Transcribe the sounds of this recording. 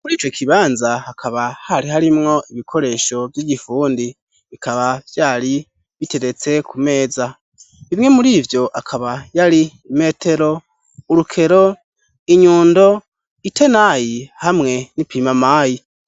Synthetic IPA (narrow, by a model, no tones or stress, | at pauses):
muɾiːt͡ʃo̞kʰiβaːnzahakʰaβahaɾiɦaɾimŋo̞ʔiβikʰo̞ɾe̞ːʃo̞vjiːɟifuːndi | βikaβav̥jaːɾi | βite̞ɾe̞t͡se̞kʰume̞ːza | βimŋe̞muɾiːvjo̞ʔakʰaβajaɾi | me̞ːtʰe̞ɾo̞ | uɾukʰe̞ɾo̞ | iɲuːndo̞ | ite̞najihamŋe̞nipiːmamaːji